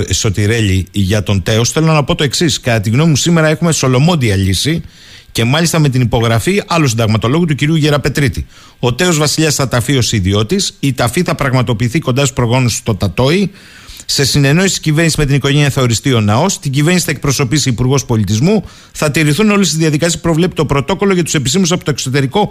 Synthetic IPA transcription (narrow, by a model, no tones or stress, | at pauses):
so̞t̪iɾe̞ʎiʝɐt̪o̞nt̪e̞o̞sθelonɐpo̞t̪o̞e̞ksiskɐt̪ɐt̪iɣno̞mipusime̞ɾɐe̞xume̞so̞lo̞mo̞nd̪iɐʎisi | ce̞mɐʎist̪ɐme̞t̪̬inipo̞ɣɾɐfiɐlosind̪ɐɣmɐt̪o̞lo̞ɣut̪uciɾiuʝe̞ɾɐpe̞t̪ɾit̪i | o̞t̪e̞ozvɐsiʎɐsθɐt̪ɐfio̞siðio̞t̪isit̪ɐfiθɐpɾɐɣmɐt̪o̞piːθiko̞nd̪ɐsu̥spɾo̞ɣo̞nust̪o̞t̪ɐt̪o̞i | se̞sine̞no̞isi̥cive̞ɾnisime̞t̪iniko̞ʝeɲiɐθɐo̞ɾist̪io̞nɐo̞st̪iɟiveɾnisi̥θɐek̚pɾoso̞pisiːpuɾɣo̞spo̞lit̪izmu | θɐt̪iɾiθuno̞list̪izðiɐðikɐsisipɾo̞vle̞pi̥t̪o̞pɾo̞t̪o̞ko̞lo̞ʝɐt̪u̥se̞pistimus̬ɐpot̪oekso̞t̪e̞ɾiko̞